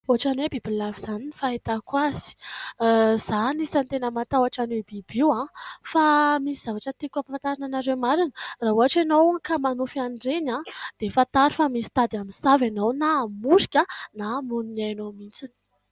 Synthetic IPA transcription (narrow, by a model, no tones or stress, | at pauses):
uaʈ͡ʂanwebibilaviz̥aninifaet̪akwazi̥ | z̥anisant̪enəmat̪awaʈ͡ʂanwebibiwãfamisiz̥avaʈ͡ʂət̪ikʲapant̪aɾananaɾewmaɾinə̥raɦuaʈ͡ʂanowkamanufanɖ͡ʐenãd̪̥efant̪aɾifamisi̥t̪ad̪aminsavanownamusi̥kʲənamuninajanomint͡sin̥